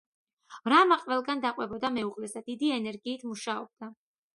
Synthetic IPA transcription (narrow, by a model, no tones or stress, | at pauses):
ɾamaqʼvɛlˠɡand̪aqʼwɛbɔd̪amɛuʁlɛzad̪̥id̪iɛnɛɾɡiːt̪ʰmuʃaɔb̥̚d̪̥a